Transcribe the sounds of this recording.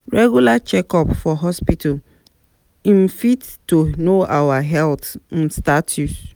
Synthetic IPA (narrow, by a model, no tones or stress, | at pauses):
ɹɛɡulat͡ʃɛkɔpfɔɦɔspitʰal | ĩn̩fit | tːonoawaɦɛltn̩statʰus